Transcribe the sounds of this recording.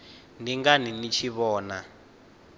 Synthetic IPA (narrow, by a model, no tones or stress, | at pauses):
ndiŋɡaninit͡ʃʰiβɔːna